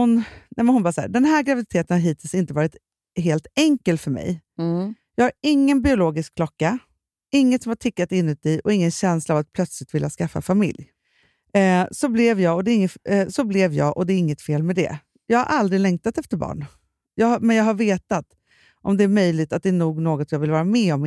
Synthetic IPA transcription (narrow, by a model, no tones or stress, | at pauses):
ʊnnɛmɛnhʊnbɑːsæ̰ːd̪ɛnɦæːɾɡɾavɪd̪ɪt̪ʰeːt̪ənhaɾɦiːt̪ʰɪlsɪnt̪əvɑːɾɪt̪ | ɦeːlt̪ɛŋkəlfœɾmɛ̰j | jɑːɡhaɾɪŋːənbɪʊloːɡɪskkʰlɔkːa | ɪŋːət̪sɔmhaʈʰɪkːat̪ɪnːʉ̟ːt̪̚d̪ɛʔɔɪŋːənɕɛnslaːvat̪̚pʰlœt̪slɪt̪vɪlːaskafːa̰famɪ̰lj | sɔblɪvjɑːɡɔd̪ɛɪŋːəsɔblɛvjɑ̰ːʔɔd̪ɛːɾɪŋːət̪feːlmɛd̪ɛ̰ | jɑːɡha̰ɾʔald̪ɾɪlɛŋt̪at̪ɛft̪əɾbɑ̰ːɳ | jɑːmɛnjɑːɡɦaɾveːt̪at̪ | ʔɔmd̪ɛæɾmœjlɪɡt̪at̪̚d̪ɛæːɳuːɡnoːɡɔt̪jɑːvɪlvɑːɾamɛɔm